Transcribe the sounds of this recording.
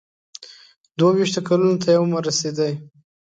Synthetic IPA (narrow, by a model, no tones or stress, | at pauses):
d̪wawiʃt̪okalunot̪ʰajawmaɾased̪əj